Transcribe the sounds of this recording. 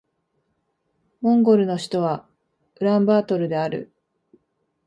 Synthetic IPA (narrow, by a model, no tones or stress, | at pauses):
mõ̞ŋɡo̞ɾɯ̟no̞ɕi̥t̪o̞βa | ɯ̟ɾãmbaːt̪o̞ɾɯ̟d̪e̞aɾɯ̰